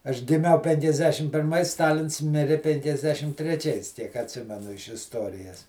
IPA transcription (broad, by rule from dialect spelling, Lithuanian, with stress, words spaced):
ɐʃ ɡʲɪˈmʲɛʊ pʲɛŋʲkʲɛzʲˈdʲæːʃʲɪm pʲɪrˈmɐɪs ˈstɑːlʲɪns ˈmʲɪrʲɪ pʲɛŋʲkʲɛzʲˈdʲæːʃʲɪm tʲrʲɛˈt͡ʃʲɛɪs tʲiɛk ɐtʲˈsʲɪmʲɛnʊ ɪʃ ɪsˈtoːrʲɪjɛs